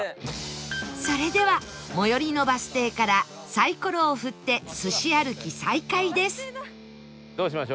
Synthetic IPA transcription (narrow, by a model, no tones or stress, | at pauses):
so̞ɾe̞d̪e̞βa | mo̞jo̞ɾʲino̞basɨ̥t̪e̞ːkaɾa | saiko̞ɾo̞ːɸɯ̟t̪ːe̞sɨɕiaɾɯ̟kʲisaikaid̪e̞sɨ̥ | d̪oːɕimaɕo